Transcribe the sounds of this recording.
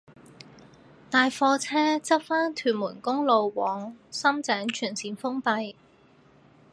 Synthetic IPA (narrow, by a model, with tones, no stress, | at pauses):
t̪aː˨˧jfɔː˧t͡sʰɛː˥t͡sɐ˥p̚faː˥nt̪ʰyː˨˩nmuː˨˩nkʊ˥ŋlo˨˧wwɔː˨˥ŋsɐ˥mt͡sɛː˨˥ŋt͡ʃʰyː˨˩nsiː˨˧nfʊ˥ŋpɐ˧j